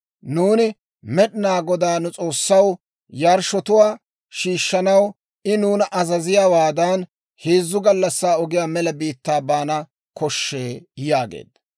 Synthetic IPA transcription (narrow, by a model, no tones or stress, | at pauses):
nuːnɪ | mɛɗnaːɡɔd̪aːnʊt͡sʼo̞ːsːɐw | jaːɾʃɔt̪ʊwaː | ʃiːʃːɐnɐw | ɪnuːnɐʔɐzɐzɪjaːwaːd̪ɐn | heːzːʊɡɐlːɐsːaːɔɡɪjaːmɛlɐbiːt̪ːaːbaːnɐ | kɔʃːe̞ːjaːɡḛːd̪ɐ